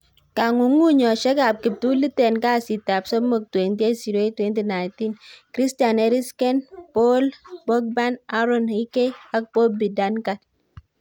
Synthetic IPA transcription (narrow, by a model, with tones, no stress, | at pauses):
ka˨ŋu˨ŋu˦ɲɔ˨ʃe˦ka˨p̚ki˨p̚tu˦li˦te˨nka˦˨si˨ta˨psɔ˦mo˨k̚twe˨nti˦e˦si˨ɾo˨e˦twe˦nti˦na˨i˨nti˦nkɾi˦sta˨ne˨ɾi˦ske˦npo˦lbo˦k̚ba˦na˦ɾo˦˨ni˦ke˦a˦k̚po˦bi˨da˦nka˦t̚